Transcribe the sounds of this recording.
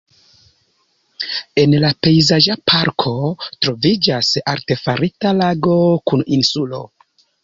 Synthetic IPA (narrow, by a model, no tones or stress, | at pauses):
e̞nlape̞jzad͡ʒapʰaɾkʰo̞tɾo̞vid͡ʒasaɾte̞faɾitalaɡo̞kuninsulo̞̰